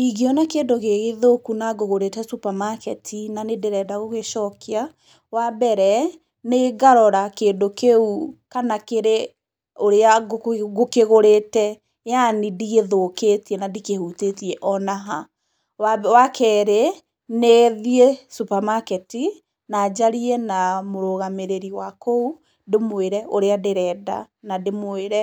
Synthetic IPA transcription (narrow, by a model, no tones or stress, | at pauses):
iɡeɔnakeːndoɣeɣeðokunaɡoɣoɾetɛsupamakɛtʰinanedeɾɛdaɣoɣeʃɔkʰea | wabɛɾɛ | neːɡaɾɔɾakeːndokeukanakeɾe | oɾeaɡokeɣoɾetɛ | janidiɣeðoːkeːtiɛnadikehutetiɛʔɔnaɦa | wawakʰɛːɾe | neðiesupamakɛti | naːd͡ʑaɾiɛnamoɾoɣameɾeɾiwakou | demweɾɛʔoɾeadeɾɛːda̰ | nademoeɾɛ